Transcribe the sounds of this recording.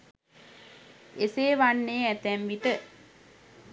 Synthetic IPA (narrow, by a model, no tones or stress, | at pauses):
eseːʋanːeːæt̪ɛmʋit̪ə